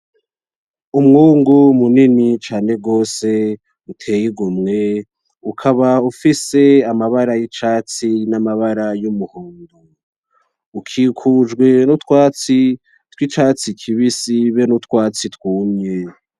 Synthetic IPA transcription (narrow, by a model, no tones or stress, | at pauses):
umŋuːŋɡumuninit͡ʃaːne̞ɡo̞ːse̞ | utʰe̞ːjiɡumŋe̞ | ukʰaβaufise̞amaβaɾajit͡ʃaːt͡sinamaβaɾajumuhuːndu | ukʰikʰud͡ʒɡwe̞nut̪waːt͡si | twit͡ʃaːt͡sikʰiβisiβenut̪kwaːt͡sitwuːmɲe̞